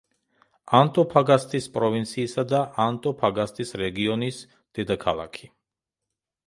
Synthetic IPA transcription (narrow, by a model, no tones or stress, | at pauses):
ant̪ʼɔpʰaɡast̪ʼispʼɾɔvint̪sʰiːsad̪aʔant̪ʼɔpʰaɡast̪ʼisɾɛɡiɔnis | d̪̥ɛd̪akʰalˠa̰kʰi̥